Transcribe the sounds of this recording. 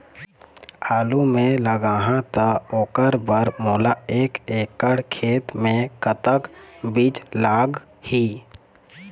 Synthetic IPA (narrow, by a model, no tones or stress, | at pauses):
aːlumẽləɡaːɦãt̪əoːkəɾbəɾmoːlaeːkeːkəɽkʰeːt̪mẽkət̪əkbiːt͡ʃlaːɡ | hiː